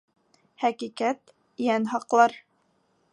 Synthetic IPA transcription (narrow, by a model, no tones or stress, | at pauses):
hækikæt̪ | jænɦɑqlˠɑɾ